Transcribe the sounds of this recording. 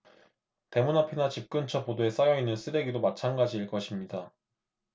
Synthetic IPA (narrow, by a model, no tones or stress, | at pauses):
te̞munapʰinat͡ɕip̚k͈ɯnt͡ɕʰʌpodoe̞s͈ajʌinːɯns͈ʰɯɾe̞ɡidomat͡ɕʰanɡad͡ʑiːɭk͈ʌɕʰimɲida